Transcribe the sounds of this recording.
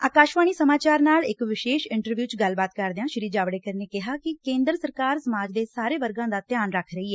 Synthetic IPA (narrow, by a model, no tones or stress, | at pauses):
aːkaːʃʋaːɳ̃iːsəmaːt͡ʃaːɾnaːlɪkʋɪʃeːʃɪɳʈəɾʋjuːt͡ʃɡəlbaːt̪kəɾd̪ejãːʃɪɾiːd͡ʒaːʋɽeːkəɾneːkɪɦaːkɪkẽːnd̪ɾsəɾkaːɾsəmaːd͡ʒd̪eːsaːɾeːʋəɾɡãːd̪aːt̪jaːnɾəkʰɾəiːɛː